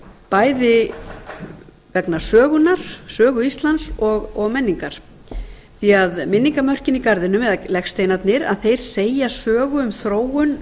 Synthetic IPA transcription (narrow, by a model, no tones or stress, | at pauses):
paːjðɪ | vɛknḁsœːɣʏnaɾ̥sœːɣʏist̪lansɔɣɔɣmɛnːiŋkaɾ̥ | θiaðmɪnːiŋkamœr̥cɪnikaɾðɪnʏmɛðlɛxst̪ejnat̪nɪɾa̰ðθejɾ̥seːjasœːɣʏʏmθɾoːwʏn